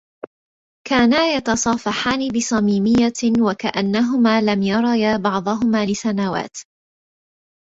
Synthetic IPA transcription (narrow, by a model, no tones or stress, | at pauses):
kaːnajɑt̪ɑsˤɑːfɑħaːnɪbɪsˤɑmiːmɪjːawakaʔanːaɦʊmaːlamjɑɾˤɑjaːbɑʕd̪ˤɑɦʊmaːlɪsanawa̰ːt̪